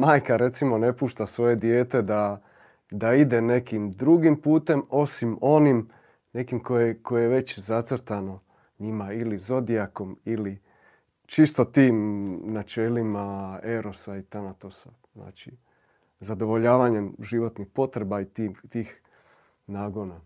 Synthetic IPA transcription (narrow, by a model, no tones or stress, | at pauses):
maːjkaɾe̞t̪simo̞ne̞puːʃt̪asʋo̞je̞d̪je̞ːt̪e̞d̪a | d̪aid̪e̞ne̞kimd̪ɾuɡimpuːt̪e̞mo̞simo̞nim | ne̞kimko̞jekojejeʋe̞t͡ɕzat̪srɾt̪ano̞ | ɲimailizo̞d̪iako̞mili | t͡ʃist̪o̞t̪iːmnat͡ʃe̞limae̞ɾo̞sait̪anat̪o̞sa | zna̰ːt͡ʃi | zad̪o̞ʋo̞ʎaːʋaɲe̞mʒiʋo̞t̪nixpo̞t̪ɾe̞bait̪iːt̪iːx | naːɡo̞na